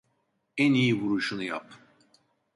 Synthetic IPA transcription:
ænijiβuɾuʃunɯja̰p̚

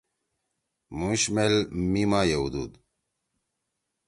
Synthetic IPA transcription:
mũɕmelmimaːjeud̪ṵːd̪

